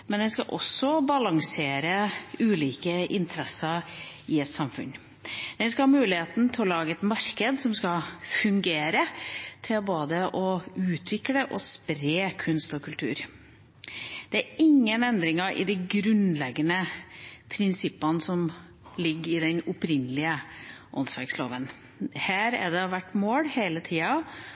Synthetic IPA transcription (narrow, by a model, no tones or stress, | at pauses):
mɛnd̪ɛnskɑʔɔ̰sːɔbɑlɑŋseːɾəʉːliːkəʔɪnt̪ʰəɾɛsəɾɪɛt̪sɑmfʉ̰n | d̪̥ɛnskɑhɑːmʉːlɪheːt̪n̩t̪ʰɪlɔlɑːɡəɛt̪mɑɾkəd̪sɔmskɑfʉŋɡeːɾət̪ʰɪlboːd̪əʔɔʉːt̪ʰʋɪkləʔɔspɾeːkʰʉnst̪ɔkʰʉlt̪ʰʉ̰ːɾ | d̪̥ɛæɾɪŋːənɛnd̪ɾɪŋəʔɪ̰d̪ɛɪɡɾʉnlɛɡːənəpʰɾɪnsɪpːɑnəsɔm | lɪɡːɾɪd̪ɛnʊpɾɪnːəlɪəʔɔ̰nsʋæ̰ɾkslo̰ːʋən | hæːɾæ̰d̪ɛɔʋæʈːmoːɽheɪlət̪ʰiːɑ